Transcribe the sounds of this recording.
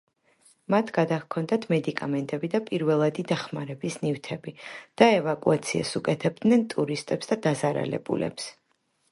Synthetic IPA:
mat̪ʰɡad̪akʰɔnd̪at̪ʰmɛd̪ikʼamɛnt̪ʼɛbid̪apʼiɾvɛlˠad̪id̪aχmaɾɛbisnivt̪ʰɛbid̪̥aɛvakʼuat̪sʰia̰sukʼɛt̪ʰɛb̚d̪nɛnt̪ʼuɾist̪ʼɛpsd̪ad̪azaɾa̰lɛ̰bṵlɛ̰ps

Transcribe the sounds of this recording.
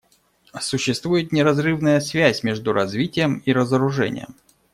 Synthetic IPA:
sʊɕːɪst̪vujɪt̪nʲɪɾɐzrɨvnəjəsvʲæsʲmʲeʐd̪ʊɾɐzvʲitʲɪjəmiɾəzəɾʊʐɛ̰nʲɪ̰jə̰m

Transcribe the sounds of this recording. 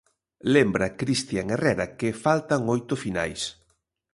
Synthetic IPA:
lembɾakɾist̪jaŋerɛɾakɪfalt̪aŋojt̪ʊfina̰js

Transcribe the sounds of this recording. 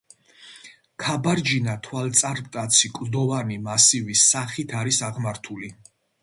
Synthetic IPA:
kʰabaɾd͡ʒinat̪ʰwalt̪sʼaɾpʼt̪ʼat̪sʰikʼld̪ɔvanimasivisaχit̪ʰaɾisaʁmaɾt̪ʰuli

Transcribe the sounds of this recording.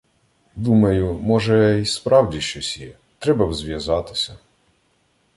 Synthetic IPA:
d̪umɐjʊmɔʒɛispɾɑwdʲiʃt͡ʃɔsʲjɛ | t̪ɾɛbɐwzʋʲjɐzɑt̪ɪ̥sʲɐ

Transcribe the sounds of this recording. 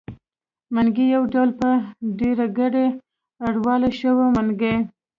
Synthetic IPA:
manɡijawɖawlpəɖeɾaɡaɖe | aɽwɑlaʃəwamanɡej

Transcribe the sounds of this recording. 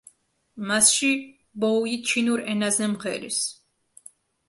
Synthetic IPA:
masʃi | bɔuit͡ʃʰinuɾɛnazɛmʁɛɾḭs

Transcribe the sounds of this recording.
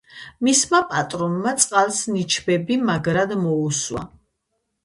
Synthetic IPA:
mismapʼat̪ʼɾɔnmat̪sʼqʼalˠsnit͡ʃʰbɛbimaɡɾad̪mɔuswa̰

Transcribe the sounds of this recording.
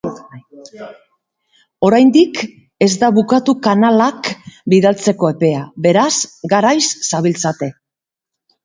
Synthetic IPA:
o̞ɾajnd̪ik | e̞zd̪aβukat̪ukanalakbiðalt͡se̞ko̞e̞pe̞aβe̞ɾazɡaɾajsːaβilt͡sat̪e̞

